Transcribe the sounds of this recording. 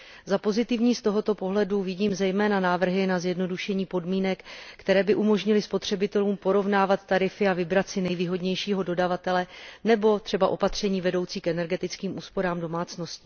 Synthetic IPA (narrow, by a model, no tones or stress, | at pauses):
zapo̞zɪt̪ɪvɲiːst̪o̞ɦo̞t̪o̞po̞ɦlɛduvɪɟiːmzɛjmɛːnanaːvr̩ɦɪnazjɛdno̞duʃɛɲiːpo̞dmiːnɛkːt̪ɛɾɛːbɪʔumo̞ʒɲɪlɪspo̞t̪r̝̥ɛbɪt̪ɛluːmpo̞ɾo̞vnaːvat̪ːaɾɪfɪavɪbɾat̪t͡sɪnɛjviːɦo̞dɲɛjʃiːɦo̞do̞davat̪ɛlɛnɛbo̞t̪r̝̥ɛbaʔo̞pat̪r̝̥ɛɲiːvɛdo̞wt͡siːkʔɛnɛɾɡɛt̪ɪt͡skiːmʔuːspo̞ɾaːmdo̞maːt͡sno̞scɪ̥